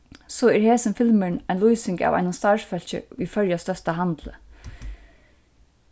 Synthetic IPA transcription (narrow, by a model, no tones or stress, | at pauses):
sɔɛɹheːsɪnfɪlmɪɳaɪnlujsɪŋka̰ʋa̰jnast̪aɹfœl̥t͡ɕə̰ifœɹjast̪œst̪aɦant̪lə̰